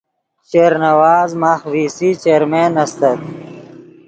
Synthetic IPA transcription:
ɕeːɾnɐwaːzmaːxʋiːsit͡ɕeːɾmeːnɐst̪ɐt̪̚

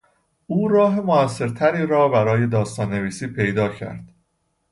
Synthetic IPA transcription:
ʔuːɾɒːɦe̞moæsːe̞ɾt̪ʰæɾiːɾɒːbæɾɒːje̞d̪ɒːst̪ɒːnːe̞viːsiːpʰe̞jd̪ɒːcʰæ̰ɾd̪̥

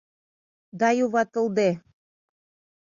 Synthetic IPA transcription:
d̪ɑjuβɑt̪ɤ̆ld̪e

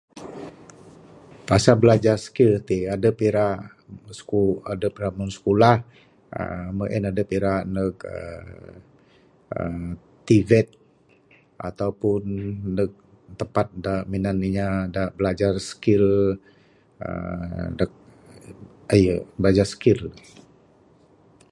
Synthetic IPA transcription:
pasabəlad͡ʒarsə̥kilt̪iadəpeɾaʔ | skuadəpeɾaʔmunsə̥kolah | ə̰məʔɛnadəpiɾaʔnək̚ə̰ | ə | t̪ːivɛt̪̚ | a̰t̪awpʊnːək̚ | t̪əpat̪̚daʔminaniɲadaʔbəlad͡ʒarsə̥kil | ə̰dak̚ | əjəbəlad͡ʒarsə̥kil

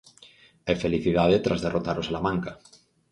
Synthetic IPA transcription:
efeliθiðaðet̪ɾazðerot̪aɾosalamãŋka

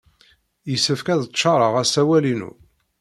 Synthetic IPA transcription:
jəsːəfkæðəʃːɑɾˤəʁæsæwælinṵ

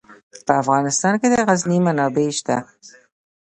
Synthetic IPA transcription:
pəafɣɑnɪst̪ɑnked̪əɣaznimanɑbeʃt̪a

